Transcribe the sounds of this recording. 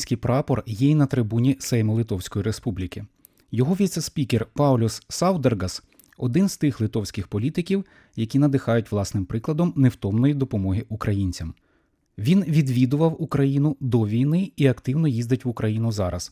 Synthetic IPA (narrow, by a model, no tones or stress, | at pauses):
sʲkɪjpɾɑpɔrjɛinɐt̪ɾɪbunʲisɛjmɔlˠɪt̪ɔwsʲkɔjiɾespublʲikɪ | jɔɦɔʋʲijt̪sesʲpʲikerpɑwlʲɔsːɑwd̪erɡɐs | ɔd̪ɪnz̥t̪ɪxlˠɪt̪ɔwsʲkɪxpɔlʲit̪ɪkʲiw | jɐkʲinɐd̪ɪxɑjʊtʲʋlˠɑsnɪmpɾɪklˠɐd̪ɔmnewt̪ɔmnɔjid̪ɔpɔmɔɦɪʔukɾɐjinʲt͡sʲɐm | ʋʲinʋʲid̪ʋʲid̪ʊʋɐwukɾɐjinʊd̪ɔʋʲijnɪiɐkt̪ɪwnɔjizd̪ɐtʲʋʊkɾɐjinʊzɑɾɐ̰s